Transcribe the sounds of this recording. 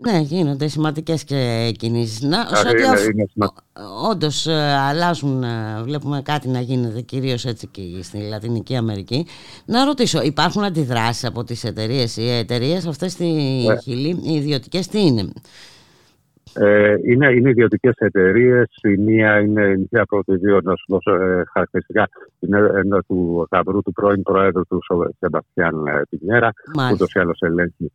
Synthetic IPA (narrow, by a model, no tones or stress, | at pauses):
ne̞ʝino̞nd̪e̞simɐnd̪ice̞scecinis̬isnɐosoinsɐ | o̞nd̪o̞sɐlɐzunvle̞pume̞kɐt̪inɐʝinet̪e̞ciɾio̞se̞t͡sicest̪ilɐt̪iniciɐme̞ɾici | nɐɾo̞t̪iso̞ipɐɾxunɐnd̪iðɾɐsi̥sɐpo̞t̪ise̞t̪e̞ɾie̞siet̪e̞ɾie̞s̬ɐft̪e̞st̪içiliːðio̞t̪i̥ce̞st̪iine | eine̞ineiðio̞t̪ice̞set̪e̞ɾie̞simiɐine̞niɐpɾot̪iðio̞nɐsuðo̞sexɐɾɐk̚t̪eɾist̪ikɐineend̪ɐt̪ukɐvɾut̪upɾo̞inpɾoe̞ðɾut̪usose̞bɐst̪çɐnp̪iɲe̞ɾɐmɐut̪o̞siɐlo̞se̞le̞ɲçi